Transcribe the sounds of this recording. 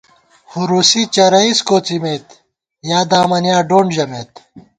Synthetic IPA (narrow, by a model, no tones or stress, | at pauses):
huɾuːsit͡ɕɐɾɐiskoːt͡simeːt̪ | jaːd̪aːmɐnjaːɖoːɳɖd͡ʑɐmeːt̪